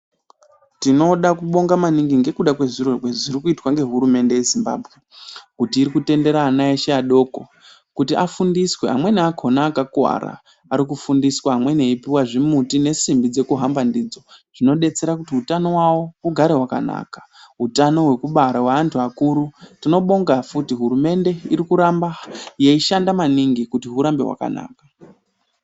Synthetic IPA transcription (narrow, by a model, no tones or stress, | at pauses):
tino̞ɗakuɓo̞ŋɡamaniŋɡiŋɡe̞kuɗakwe̞ʐirorweʐiɾikuitwaŋɡe̞ɦuɾume̞nde̞jezimba̰ːbʱɣe̞kutiːɾikute̞nde̞ɾaːnaeʃeaɗo̞ːko̞ | kutiʔafundiswe̞ɦa̰mwe̞neakʰo̞naːkakwa̰ɾa̰ː | ɾikufundiswaːmwe̞neipiwaʐimutine̞simbid͡ze̞kuɦambandid͡zo̞ʐ̥ino̞ɗe̞t͡se̞ɾakutiutano̞wawouɡʱaɾe̞ɦwaka̰na̰ːkḁ | ɦutano̞ɦwe̞kuɓaɾawaːntʰuakuɾutino̞ɓo̞ŋɡafutiɦuɾume̞nde̞iɾikuɾambajeiʃandamaniŋɡikutiɦuɾambe̞̰wa̰ka̰na̰ːkḁ